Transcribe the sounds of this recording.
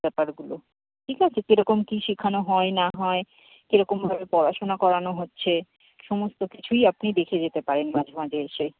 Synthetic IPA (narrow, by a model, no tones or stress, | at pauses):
ɛpaɾɡulo | ʈʰikɦat͡ɕʰekeɾɔkomkiʃikʰanoɦɔenaɦɔe | keɾɔkombʱabepɔɾaʃonakɔɾanoɦotːɕʰe | ʃɔmost̪okit͡ɕʰujapnid̪ekʰed͡ʑet̪epaɾenmad͡ʑʱomad͡ʑeeʃe